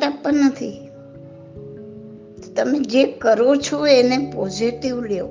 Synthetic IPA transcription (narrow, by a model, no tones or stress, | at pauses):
ʈapːənnət̪ʰi | t̪ot̪əmẽd͡ʒekəɾot͡ʃʰoenepɔziʈiʋljo